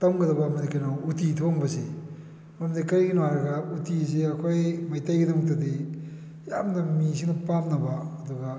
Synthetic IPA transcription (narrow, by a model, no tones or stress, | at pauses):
tɐmɡɐdɐbɐːmɐdikɐjnoutitʰoŋbɐsi | ɐmdikɐɾɡinwaɾɐɡɐutis̬iɐkʰojmɐjtajɡidɐmk̚tɐdi | jamnɐmis̬ʰiŋnɐpamnɐbaːduɡɐ